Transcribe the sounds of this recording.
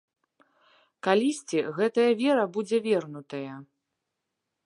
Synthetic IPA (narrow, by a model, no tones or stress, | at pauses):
kalʲisʲt͡sʲiɣɛt̪ɐjɐvʲɛɾɐbud͡zʲɛvʲɛrnut̪ɐjɐ